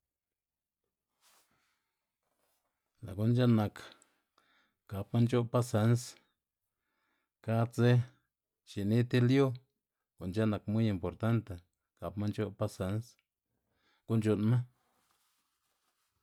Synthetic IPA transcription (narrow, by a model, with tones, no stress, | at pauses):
la˨ku˦nd͡ʒa˦na˨k | ka˨pma˦nt͡ʃo˦pa˦sa˧˦ns | ka˦t͡se˦ | t͡ʃi˨ni˦t̪e˦ljo˦ | ko˨nt͡ʃa˦na˨kmu˦ji˨mpo˨ɾt̪a˦nt̪a˨ | ka˨pma˦nt͡ʃo˦pa˦sa˧˦ns | ku˦nt͡ʃo˧˨nmã˦